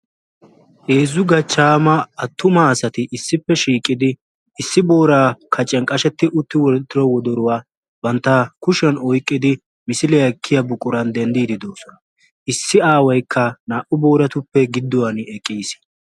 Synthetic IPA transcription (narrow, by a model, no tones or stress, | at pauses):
ʔeːzʊɡɐt͡ʃːaːmɐɐt̪ːʊmɐːsɐt̪ɪʔɪsːɪpːɛʃiːkʼːɪd̪ɪː | sːɪbo̞ːɾaːkʰɐt͡ʃʼːɛŋkʼɐʃɛt̪ːɪʔʊt̪ːɪwɔt̪ːɪɾɔwɔd̪ɔɾʊwaː | bɐnt̪ːɐkʊʃɛnɔjkʼːɪd̪ɪ | mɪsɪlɛɐkʰːɪjɐbʊkʼːʊɾɐnd̪ɛnd̪iːd̪ɪd̪o̞ːsɔnɐ | ʔɪsːɪaːwɐjkʰːɐnaːʔʊbo̞ːɾɐt̪ʊpːɛɡɪd̪ːɔwɐnɛkʼːiːs